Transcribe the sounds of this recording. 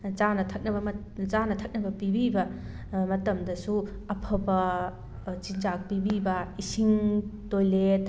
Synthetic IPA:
d͡ʒanɐtʰɐk̚nɐbɐm | zanɐtʰɐk̚nɐbɐpibibɐ | mɐtɐmdɐsu | ɐpʰɐbɐ | t͡ʃind͡ʒak̚pibibɐisiŋtojlet̚

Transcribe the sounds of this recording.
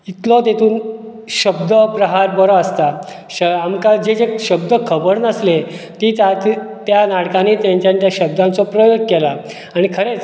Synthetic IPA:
it̪lɔt̪et̪ʰuːn | ɕəbd̪əpɾəɦaɾbəɾɔəst̪a | ɕəamkad͡ʑed͡zeɕəb̚d̪əkʰəbəɾnəslet̪it̪at̪t̪ːjanaɽkaniːt̪jãɲt͡ɕãɲt͡ɕ̪jaɕəbd̪ãnt͡sɔpɾəjoɡ̚kɛla | aɽ̃ikʰəɾet͡s

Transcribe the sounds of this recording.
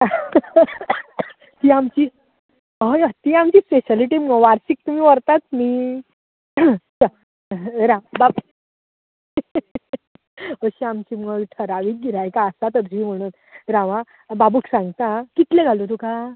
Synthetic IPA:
t̪iːamt͡ɕi | əjat̪iamt͡ɕiːspeɕəliʈimɡəʋaɾsik̚t̪um̤iːʋəɾt̪at̪̚miː | t͡ɕə | ɾãbap | əɕiamt͡ɕiːmɡəʋʈʰəɾaʋiːk̚ɡiɾajkaəsat̪əɾd͡ʑiːm̤əɽ̃uːn | ɾaʋã | babuːksãŋɡt̪akit̪lẽɡʱalot̪uka

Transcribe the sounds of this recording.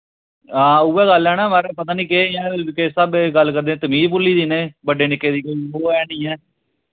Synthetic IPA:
ãːʊːɛːɡəlɛːnaːmaːɾeːpət̪aːnĩːkeːãːkesaːbeɡəlkəɾd̪eːt̪əmiːzpʊlːiːd̪iːneːbəɖeːnɪkːeːd̪iːkoːiːoːɛːnĩːɛː

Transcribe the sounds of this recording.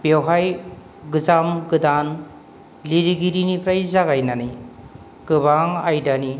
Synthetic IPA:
b̥ewɦaj | ɡɯzamɡɯdan | liɾiɡiɾinipʰɾajzaɡajnanij | kɯbaŋajdani

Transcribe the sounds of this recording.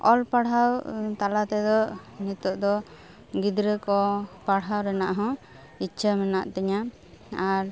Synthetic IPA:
ɔlpaɽɦawt̪alat̪ɛd̪ɔʔnit̪ɔʔd̪ɔ | ɡid̪ɾəkɔpaɽɦawɾɛnaʔɦɔ̃ | it͡ʃʰəmɛnaʔt̪ɛɲa | aɾ

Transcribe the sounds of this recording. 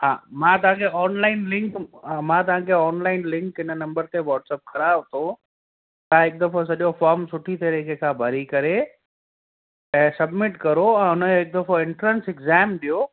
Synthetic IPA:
ɦaːmãt̪ɐʋ̤ãkʰeɔːnlaːɪnlɪ̃ŋkmãt̪̬ɐʋãːkʰeɔːnlaːɪnlɪ̃ŋkɪnənɐ̃mbəɾt̪ʰeʋɔːʈsɛːp̚kɐɾabʊt̪ʰo | t̪ɐãɦɪk̚d̪ɐfos̬ɐʄofɔːɾmsʊʈʰit̪ɐɾikʰekʰãːbʱɐɾikɐɾe | ɛ̃ːsɐbmɪʈkɐɾoɛ̃ːʊnəɦɪk̚d̪ɐfoɪ̃ɳʈɾənsɪkzɛːmɗ̪ijo

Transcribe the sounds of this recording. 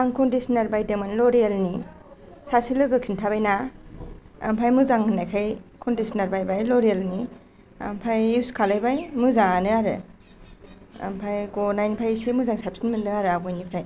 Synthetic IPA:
aŋkɔndisinaɾbajdeŋmanlɔɾijalni | sasilɯɡɯksintʰabajna | a̰mpʰajmɯzaŋnajkʰajkʰɔndisinaɾbajbajlɔɾijalni | a̰mpʰajiskʰalajbajmɯzaŋanɯaɾɯ̰ | a̰mpʰajkonajnipʰajsimɯzaŋsapsinmɯnnɯaɾɯaɡɔjnipʰɾaj

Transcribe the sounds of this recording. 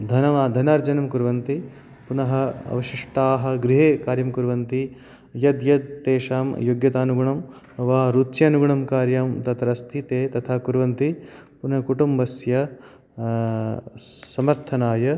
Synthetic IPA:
d̪ʱɐnɐʋaːd̪ʱɐnaːɾd͡ʒɐnɐmkuɾʋɐnt̪i | punɐɦɐɐ̰ʋɐʃiʂʈaːɦɐ̆ɡɾiɦeːkaːɾjɐmkuɾʋɐnt̪i | jɐd̪jɐd̪̚ːeːʃaːmjoɡjɐt̪aːnuɡuɳɐm | ʋaːɾut̪t͡ʃjɐːnuɡuɳɐmkaːɾjɐmt̪ɐt̪ɐɾɐst̪ʰit̪eːt̪ɐt̪ʰaːkuɾʋɐnt̪i | punɐɐkuʈumbɐsjɐ | sɐmɐɾt̪ʰɐnaːjɐ

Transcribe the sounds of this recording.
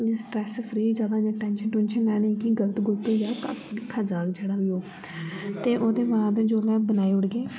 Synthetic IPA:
sʈɾɛːspʰɾiːd͡ʒaːd̪aːɲãːʈɛ̃ːnʃənʈʊnʃənlɛːɽ̃eːkiɡələt̪ɡʊlt̪oːjaːkakʰaːd͡ʒaːkd͡ʒeːɽaːɦioː | t̪eːʔoːd̪eːbaːd̪d͡ʒoːlɛːbənaːeːʊɽɡeː

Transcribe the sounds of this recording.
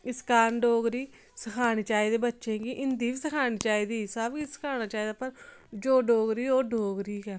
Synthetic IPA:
ɪskaːnɖoːɡɾiː | səkʰaːɽ̃iːt͡ʃaːiːd̪eːbətːʃẽːɡiːʔɪnd̪iːʋiːsəkʰaːɽ̃iːt͡ʃaːiːd̪iːsabisə̥kʰaːñaːt͡ʃaːiːd̪aːpəɾ | d͡ʒoːɖoːɡɾiːoːɖoːɡɾiːkɛː

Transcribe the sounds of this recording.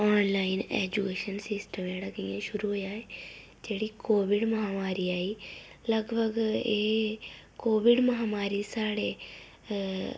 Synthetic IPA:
ɔːnlaːɪnɛ̰ːd͡ʒukeːʃənsɪsʈəmẽːɽɐɡiːãʃʊɾuɦojaːɦe | d͡ʒeːɽikoːʋɪɖmɐɦaːmaːɾiaːiː | lɐɡbʱəɡeː | koːʋɪɖmɐɦaːmaːɾisaːɽe

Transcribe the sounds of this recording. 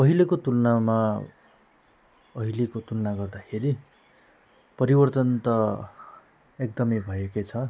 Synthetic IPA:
pʌɦilekot̪ulnama | ʌɦilekot̪ulnaɡʌrd̪akʰeɾi | pʌɾibʌrt̪ʌnt̪ʌ | ek̚d̪ʌmʌjbʱʌekʌt͡sʰʌ

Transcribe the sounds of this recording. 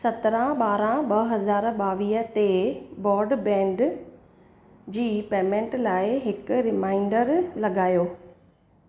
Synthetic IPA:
sɐt̪ɾãɓaːɾãɓɐɦɐzaːɾɓaːʋiːɦət̪ebɔːɾɖbɛ̃ːɳɖ | d͡ʑiːpeːmẽɳʈlaːɪɦɪkʊɾɪmaːɪɳɖəɾlɐɡaːjoː

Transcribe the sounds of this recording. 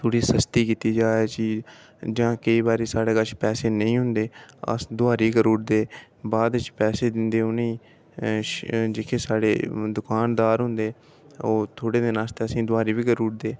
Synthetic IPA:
t̪ʰoːɽiːsəst̪iːkiːt̪iːd͡ʒaːeːt͡ʃi | d͡ʒãːkəiːbaːɾeːsaːɽeːkət͡ʃʰpɛːseːnəĩːɦʊnd̪eːə̰d̪ʊaːɾiːkəɾuːɽd̪eː | baːd̪t͡ʃpɛːseːd̪ɪnd̪eːʊnĩː | d͡ʒɪkʰeːsaːɽḛːd̪ʊkaːnd̪aːɾɦʊ̃nd̪eː | oːt̪ʰoːɽeːd̪eːnaːst̪eːəsĩːd̪ʊaːɾiːʋiːkəɾuːɽd̪eː

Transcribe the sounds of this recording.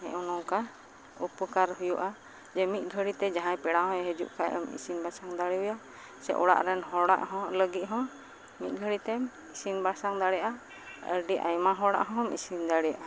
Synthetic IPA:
hɛ̃ʔunɔŋka | upəkaɾɦujuʔa | d͡ʒɛmit̪̚ˀɡʱəɽit̪ɛd͡ʒaɦãjpɛɽaɦɔ̃ɦəd͡ʒṵʔkʰajə̰mḭsinbasaŋd̪aɽiuja | sɛ̰ʔɔ̰ɽa̰ʔɾɛnɦɔɽa̰ʔɦɔ̃ləɡit̪̚ɦɔ̃ | mit̪̚ˀɡʱəɽit̪ɛm | isinbasaŋd̪aɽɛjaʔa | ə̰ɾɖiʔa̰jmaɦɔɽa̰ʔɦɔ̃mḭsind̪aɽɛjaʔa

